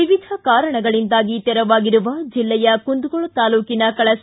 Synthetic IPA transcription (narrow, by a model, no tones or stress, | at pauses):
iʋid̪ʱɐkaːɾɐɳɐɡɐɭind̪aːɡit̪ɛɾɐʋaːɡiɾuʋɐd͡ʒilːɛjɐkund̪uɡoɭut̪aːluːkinɐkɐɭɐs